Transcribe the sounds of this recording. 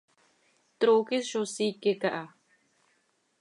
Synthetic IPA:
t̪ɾokisʃosikekaʔa

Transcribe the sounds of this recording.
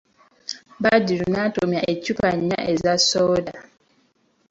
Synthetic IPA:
badiɾunatomiaecupaɲ̩ːa̰ʔezasɔːda

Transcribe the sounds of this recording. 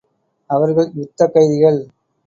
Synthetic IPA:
ɐʋɐɾɣɐɭʊt̪ːɐkːɐɪðɪɣɐɭ

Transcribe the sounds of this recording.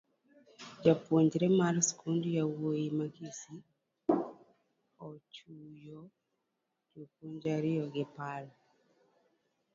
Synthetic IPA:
d͡ʒapwoɲd͡ʒɾɛmalskʰundujawojimakisi | ɔt͡ʃujo | d͡ʒopwoɲd͡ʒaɾɪjɔɡɪpal

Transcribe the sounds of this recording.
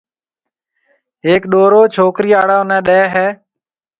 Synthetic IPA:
ɦeːkɗoːɾoːt͡ʃʰoːkɾiːaːɽaːnɛ̃ːɗɛːɦɛː

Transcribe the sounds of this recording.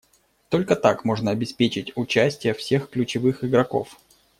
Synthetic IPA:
t̪o̞lʲkət̪akmo̞ʐnəɐbʲɪspʲet͡ɕɪtʲʊt͡ɕæsʲtʲɪjəfsʲe̞xklʲʉt͡ɕɪvɨxɪɡɾɐko̞̰f

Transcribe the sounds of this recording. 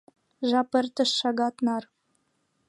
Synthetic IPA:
ʒɑpə̆rt̪ə̆ʃːɑɡɑt̪nɑr

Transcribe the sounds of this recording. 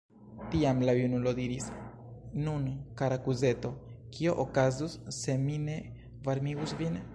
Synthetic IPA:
t̪iamlajunulo̞d̪iɾis | nunkaɾakuze̞t̪o̞kio̞ʔokazusːe̞mine̞ | vaɾmiɡusvin

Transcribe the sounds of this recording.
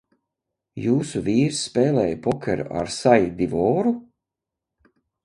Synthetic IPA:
juːsuviːɾsːpeːlɛːjpɔkʲeɾṵʔa̰ɾsajd̪ivɔːɾu

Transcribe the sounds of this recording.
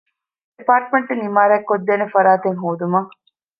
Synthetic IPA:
ipaːɾʈmeɳʈunimaːɾɛkːod̪ːenefɐɾaːt̪eŋɦoːd̪umɐŋ

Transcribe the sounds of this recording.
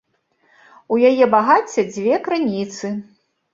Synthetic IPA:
ujajɛbaɣat͡sʲːɐd͡zʲvʲɛkɾɨnʲit̪sɨ

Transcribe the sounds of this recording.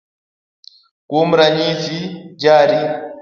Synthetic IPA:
kum̩ɾaɲisid͡ʒaːɾi

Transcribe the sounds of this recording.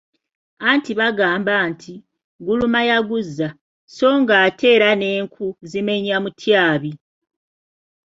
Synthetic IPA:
antiβaɡaːmbaːntʰi | ɡulumajaɡuzːa | so̞ːŋɡaːte̞ːɾane̞ːŋkʰuzime̞ɲamutʰjaːβi

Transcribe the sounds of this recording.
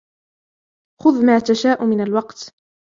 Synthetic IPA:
xʊðmaːt̪aʃaːʔʊmɪnalwɑqt̪

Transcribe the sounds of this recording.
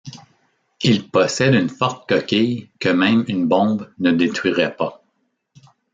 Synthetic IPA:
ilpɔsɛd̪ynfɔʁt̪̚kɔkʲɛjkəmɛ̃ɪ̃mynbɔ̃bnəd̪et̪χɥiʁɛpa

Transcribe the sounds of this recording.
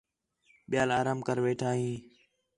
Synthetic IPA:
ɓɪjaːlaːɾaːmkəɾʋeːʈʰaːɦĩː

